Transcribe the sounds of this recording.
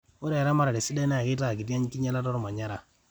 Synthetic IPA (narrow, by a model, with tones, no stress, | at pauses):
u˦ɾe˨ɾa˦ma˦ɾa˨de˨si˦de˦na˦a˨ki˦ta˦˨ɡi˨da˦ɲ˦ki˦ɲa˦la˦tɔ˦ɾma˨ɲa˦ɾa˨